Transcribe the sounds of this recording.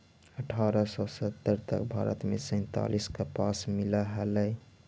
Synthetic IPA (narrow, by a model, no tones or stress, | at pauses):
əʈʰaɾəsɔsət̪ːəɾt̪ə̰kbʱaːɾə̰t̪mesəj̃nt̪a̰liskapasmilaɦələj